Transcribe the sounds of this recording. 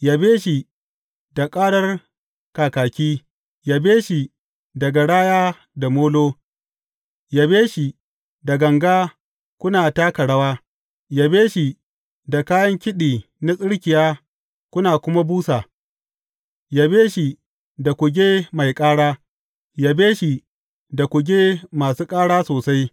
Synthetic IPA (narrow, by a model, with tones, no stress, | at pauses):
ja˨beː˦ʃi˨ | da˨kʼaː˦ɽɐ˦r | kaː˨kaː˨kʲiː˦ | ja˨beː˦ʃi˨ | dɐ˨ɡa˨ɽaː˦jaː˦ | da˨moː˦loː˦ | ja˦beː˦ʃi˨ | da˨ɡɐ˨ŋɡaː˦ | kʷʊ˦naː˨taː˦ka˨ɽɐ˦waː˦ | ja˦beː˦ʃi˨ | da˨kaː˦jɐ˦ŋkʲɪ˦ɗiː˨ | na˦sʼɪ˦ɽkʲɪ˨jaː˦ | kʷʊ˦naː˨kʷʊ˦ma˦buː˦saː˨ | ja˦beː˦ʃi˨ | da˨kʷʊ˨ɡʲeː˦ma˨jkʼaː˦ɽaː˦ | ja˨beː˦ʃi˨ | da˨kʷʊ˨ɡʲeː˦maː˨suː˦kʼaː˦ɽaː˦soː˨sa˦j